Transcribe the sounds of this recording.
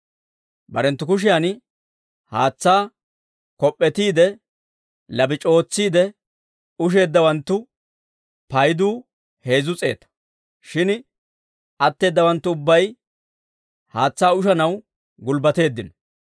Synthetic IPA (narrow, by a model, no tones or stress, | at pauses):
bɐɾɛnt̪ːʊkʊʃ̬ɪjan | haːt͡sːaː | kɔpʼːɛt̪iːd̪ɛ | lɐbɪt͡ʃʼo̞ːt͡sːiːd̪ɛ | ʊʃ̬e̞ːd̪ːɐwɐnt̪ːʊ | pɐjd̪uː | he̞ːzʊt͡sʼe̞̰ːt̪ɐ̥ | ʃɪn | ɐt̪ːe̞ːd̪ːɐwɐnt̪ːʊʊbːɐj | haːt͡sːaːʊʃɐnɐw | ɡʊlbɐt̪e̞ːd̪ːɪnɔ